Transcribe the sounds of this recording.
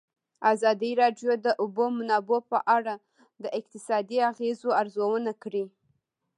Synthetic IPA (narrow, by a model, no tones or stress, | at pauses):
azɑd̪iɾɑɖjod̪əʔʊbomʊnɑbopəʔaɽa | d̪əʔɪq̚t̪ɪsɑd̪iaɣezoaɾzawənakɽi